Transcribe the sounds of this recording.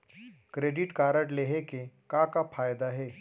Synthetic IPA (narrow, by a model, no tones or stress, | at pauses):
kɾeːɖɪʈkaːɾəʈleːɦekekakapʰaːjd̪aɦɛː